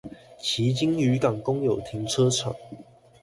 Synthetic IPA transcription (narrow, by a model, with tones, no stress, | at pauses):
t͡ɕʰi˨˥t͡ɕi˥˦ŋy˨˥˦kɑ˨˩ŋkʊ˦ŋjo˨˩ʊt̪ʰi˨˦ŋʈ͡ʂʰɤ˥˦t͡sʰə̰˨˩˦ŋ